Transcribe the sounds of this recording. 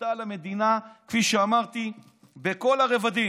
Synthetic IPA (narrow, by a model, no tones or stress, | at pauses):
alame̞d̪inakfiʃeamaʁt̪i | beko̞laʁevad̪i